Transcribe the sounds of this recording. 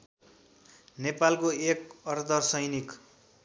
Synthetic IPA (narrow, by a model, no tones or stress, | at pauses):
nepalkoekʌrd̪ʌrsʌjnik